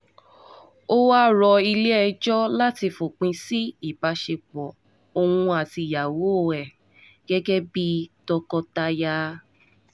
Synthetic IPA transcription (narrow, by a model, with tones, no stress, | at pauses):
o˦wa˦ɾɔ˧i˧le˦ɛ˧d͡ʒɔ˦la˦ti˧fo˨k͡pĩ˧si˦i˦˨ba˨˧ʃe˧k͡pɔ˨ | o˧wũ˧a˨ti˧˨ja˨wo˨˦o˨ɛ˨ | ɡ̥ɛ˦ɡɛ˦bi˦tɔ˧kɔ˧ta˧ja˧